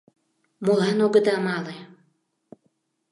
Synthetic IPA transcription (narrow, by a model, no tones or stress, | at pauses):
molanoɡə̆d̪amalˠe